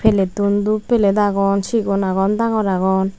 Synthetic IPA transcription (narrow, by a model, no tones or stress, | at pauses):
pʰelet̪und̪upeled̪aɡɔnt͡ʃiɡonaɣond̪aŋoɾaɣɔn